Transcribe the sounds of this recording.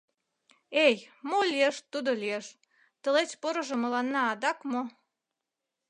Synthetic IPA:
ejmolieʃt̪ud̪olʲieʃ | t̪ə̆let͡ɕpoɾoʒŏmə̆lɑnːɑːd̪ɑkmo

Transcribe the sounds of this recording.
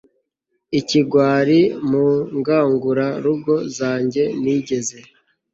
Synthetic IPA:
iciɡwaːɾimuŋɡaːŋɡuɾaɾuɡo̞zaːɲɟe̞niːɟe̞ze̞

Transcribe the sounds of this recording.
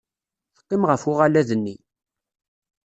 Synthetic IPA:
θə̥qːɪmʁəfʊʁalæðənːi

